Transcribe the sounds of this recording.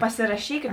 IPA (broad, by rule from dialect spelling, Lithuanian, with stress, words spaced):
pɐsʲɪrɐˈʃʲiːkʲɛt